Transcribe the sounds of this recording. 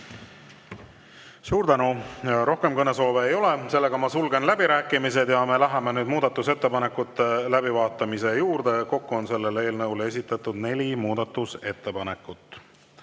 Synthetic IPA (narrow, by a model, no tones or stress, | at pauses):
suːɾd̪ænuɾʔo̞hke̞mkɤneso̞ːve̞ːjo̞le̞se̞lːe̞ɡ̥ɑmɑsulɡe̞nlæb̥iɾæːkːˑimise̞d̪̥jɑme̞læɦɑmenyːd̪muːd̪̥ɑt̪ːˑuse̞t̪ːe̞pɑnekːˑut̪ːˑelæbivɑːt̪ːˑɑmise̞juːɾd̪̥e̞ko̞kːuo̞nse̞lːe̞le̞ːlnɤwle̞sʲit̪ːˑɑt̪ːˑud̪̥ne̞lʲimuːd̪ɑt̪ːˑuse̞t̪ːe̞pɑne̞kːut̪ːˑ